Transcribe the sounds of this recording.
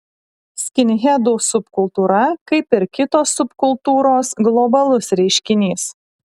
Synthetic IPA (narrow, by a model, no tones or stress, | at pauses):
sʲkʲɪnʲɣʲɛd̪uːsʊpkʊlˠt̪uːɾɐkɐɪpɪɾkʲɪt̪oːsːʊpkʊlˠt̪uːɾoːsɡlˠɔbɐlˠʊsɾʲɛɪʃʲkʲɪnʲiːs